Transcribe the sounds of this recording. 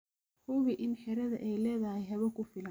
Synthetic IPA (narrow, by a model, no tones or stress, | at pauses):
hʊβɪʔɪnħɛɾɐðɐʔɛjlɛːðɐhɛjɦɛβɐkʰʊfɪlɐn